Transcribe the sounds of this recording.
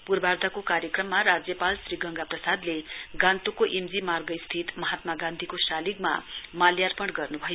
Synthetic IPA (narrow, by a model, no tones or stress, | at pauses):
purbard̪ʱakokaɾjʌkrʌmːaɾad͡zjʌpalsriɡʌŋɡaprʌsad̪leɡãnt̪ukoʔemd͡zimarɡʌst̪ʰit̪mʌɦat̪maɡãnd̪ʱikosalikma̰maljarpʌɽɡʌrnubʱʌjo